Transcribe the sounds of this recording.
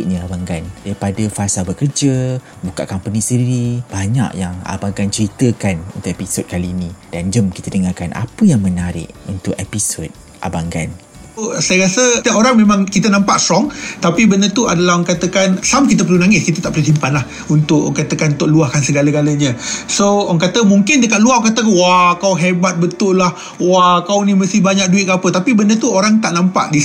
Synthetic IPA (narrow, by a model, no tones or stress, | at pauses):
ʔɲəabaŋɡandaɾipadafasalbəkərd͡ʒə | bukaʔkampənisədiɾib̥aɲa̰ʔjaŋa̰baŋɡant͡ʃəɾit̪əkanunt̪ʊʔepisɔd̚kaliːnĩd̥and͡ʒəmki̥t̪ədəŋakanʔa̰pəjaŋmə̃naɾɪ̰ʔunt̪ʊʔepisod̪̚ | ʔa̰baŋɡan | sajəɾasət̪iaʔoɾaŋmẽmãŋkit̪ənãmpaʔst̪ɾɔŋt̪apibəndət̪ua̰dalahŋkat̪əkansamkit̪əp̬ərlunaŋɪskit̪ət̪aʔpəlusimpanlah | unt̪ʊʔkat̪əkant̪oʔluahkansəɡaləɡaləɲə̃soŋkat̪əmuŋkɪndəkat̪̚luahkat̪əkanwakawɦɛrbat̪̚bət̪ʊlah | wakawniməst̪ihbaɲãk̚duit̪̚kaapət̪apibəndət̪uoɾaŋt̪aʔnampa̰ʔdi